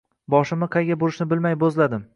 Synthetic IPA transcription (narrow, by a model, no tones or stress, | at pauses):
bɒʃɪmɪqʰɑjɡʲabʊɾɪʃnɪbɪlmajbozlad̪ɪm